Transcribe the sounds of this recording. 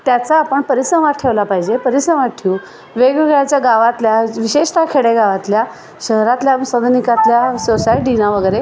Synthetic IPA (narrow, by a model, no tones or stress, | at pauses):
t̪jat͡saːpəɳpəɾisəmat̪̚ʈʰeʋlapaɦid͡ʑepəɾisəmat̪̚ʈʰiu | ʋeɡeɡɭjat͡ɕjaɡaʋat̪ljaʋiɕeʂʈʰakʰeɽeɡaʋat̪lja | ɕəɦɾat̪ljasəd̪ʱnikat̪ljasosajʈinaʋəɡəjɾe